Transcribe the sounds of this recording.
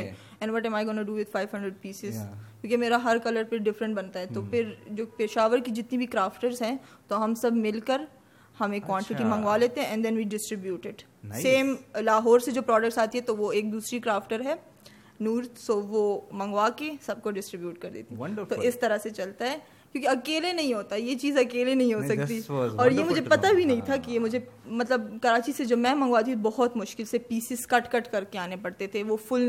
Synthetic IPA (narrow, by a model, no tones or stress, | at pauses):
ɛ̃nʋɔʈɛ̃ːmaːɪɡɔːnuɖuːʋɪd̪faːɪʋɦɐ̃ɳɖɾəɖ̚piːsɪzkjõːkemeːɾaɦɐɾkɐləɾpɪɖɪfɾə̃ɳʈ̚bɐnt̪aɦɛt̪opʰɪɾd͡ʒoːpɪʃaːʋəɾkid͡ʒɪt̪nibʱikɾaːfʈəɾzɦɛ̃ːt̪oɦɐmsɐbʱmɪlkəɾ | hɐmẽkːwɔ̃ːɳʈɪʈimɐ̃ŋɡʋaleːt̪ẽɦɛ̃ʔɛ̃nd̪ɛ̃nʋiːɖɪsʈɾɪbjuːʈɪʈ | seːmlaːɦɔːɾsed͡ʒoːpɾɔːɖək̚ʈsaːt̪iɦɛt̪oʋoeːk̚d̪uːsɾikɾaːfʈəɾɦɛː | nuːɾsoːʋomɐ̃ŋɡʋakesɐb̚koɖɪsʈɾɪbjuːʈ̚kɐɾd̪ḛːt̪eɛ̃t̪oɪst̪ɐɾəset͡ʃɐlt̪aɦɛː | kjõːkiɐkeːlenɐɦĩɦoːt̪ajet͡ʃiːzɐkeːlenɐɦĩɦoːsɐkt̪iiɔːɾjemʊd͡ʒʱepɐt̪abʱinɐɦĩt̪ʰakijemʊd͡ʒʱemɐt̪ləb̚kɐɾaːt͡ʃised͡ʒoːmɛ̃ːmɐ̃ŋɡʋat̪ʰibɔɦɔt̪mʊʃkɪlsepiːsɪskɐʈkɐʈkɐɾkeaːnepɐɽt̪et̪ʰeʋofʊl